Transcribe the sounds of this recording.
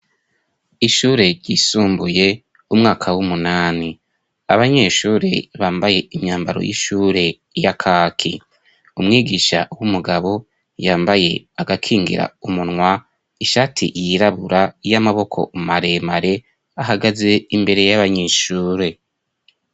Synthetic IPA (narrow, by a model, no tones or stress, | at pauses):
iʃuːɾe̞ɾɟiːsuːmbuje̞ | umŋaːkʰawumunaːni | aβaɲe̞ʃuːɾe̞βaːmbaje̞imɲaːmbaɾo̰jḭʃuːɾe̞ | jakʰaːkʰi | umŋiːɡiʃa̰wumuɡaβo̞ | jaːmbaje̞aɡakʰiːŋɡḭɾa̰umunŋwa | iʃaːtʰḭʔjiɾaβuɾajamaβo̞kʰo̞̰maɾe̞maɾe̞ | aɦaɡaze̞imbe̞ɾe̞jaβaɲeːʃuːɾe̞